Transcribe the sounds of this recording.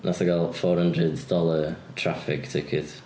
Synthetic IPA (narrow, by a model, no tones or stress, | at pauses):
nʔasaɡalˠfɔːɾhəndrəddɔlˠə | tʰrafɪktʰɪkʰɪd